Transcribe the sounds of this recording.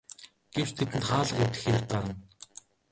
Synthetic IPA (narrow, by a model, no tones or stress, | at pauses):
ɡ̥ew̥t͡ɕt̪ʰet̪̬ɘ̆nt̪χaːɮə̆qewt̪ɘ̆xeɾɘ̆k̚paɾə̆n